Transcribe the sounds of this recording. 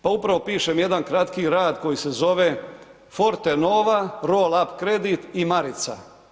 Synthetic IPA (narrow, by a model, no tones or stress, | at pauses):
paupɾaʋo̞piːʃemje̞d̪ankɾat̪kiɾaːd̪ko̞jise̞zo̞ʋe | fo̞ɾt̪enoːʋaɾoːlapkɾe̞d̪it̪imaɾit̪sa̰